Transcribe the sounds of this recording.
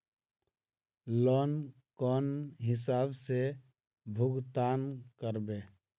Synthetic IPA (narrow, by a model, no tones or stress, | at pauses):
lɔːn | kɔːnɦɪs̬aːbse | bʱʊɡt̪aːnkəɾbeː